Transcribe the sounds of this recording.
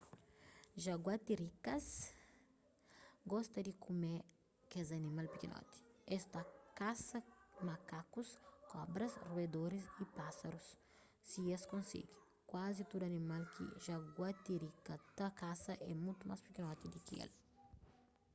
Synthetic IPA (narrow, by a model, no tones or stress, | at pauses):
ʒaɡwat̪iɾikɐs | ɡɔst̪ɐd̪ikume | kezɐnimalpikḭnʔɔ̰t̪i̥ɛst̪ɐkasɐmakakuskɔbɾɐsrued̪oɾisipasaɾusː | ieskõnsḭɡi | kwazit̪od̪ɐnimalkʰḭʒaɡwat̪iɾikɐt̪akasɐʔɛmut̪uma̰spikinɔt̪id̪ikḭḛl